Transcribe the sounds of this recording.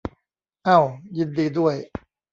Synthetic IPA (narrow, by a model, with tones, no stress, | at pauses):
ʔa˥˩wji˧ndiː˧du˥˩əj